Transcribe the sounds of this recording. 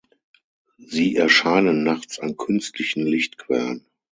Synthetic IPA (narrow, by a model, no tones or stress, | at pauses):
ziːʔɛɐʃaɪnənːaχt͡sa̰nkʰʏnstʰlɪçn̩lɪçtkʰv̥ɛ̰lən